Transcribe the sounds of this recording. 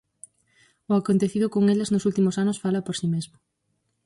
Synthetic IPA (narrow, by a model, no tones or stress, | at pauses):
ʊakont̪eθiðʊkoŋeleznʊsult̪imʊsanʊsfalɐpoɾsimezmʊ